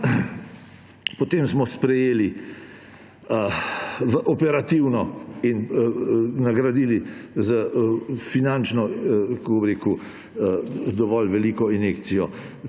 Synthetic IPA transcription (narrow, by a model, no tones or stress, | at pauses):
pɔt̪emsmɔspɾɛjeːli | ʋəʔɔpɛɾat̪iwnɔin | naɡɾad̪iːlizəfinant͡ʃnɔkakobɾeːku | d̪ɔʋɔlʋɛliːkɔinekt̪sijɔ